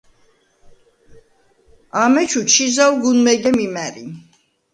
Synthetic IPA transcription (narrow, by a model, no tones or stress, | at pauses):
amɛt͡ʃʰut͡ʃʰizawɡunmɛɡɛmimɛɾi